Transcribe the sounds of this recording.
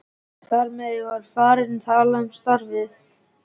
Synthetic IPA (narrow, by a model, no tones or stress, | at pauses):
θaɾmɛðjɛɣvaɾ̥faːɾɪðnt̪ʰaːlaʏmst̪aɾvɪθ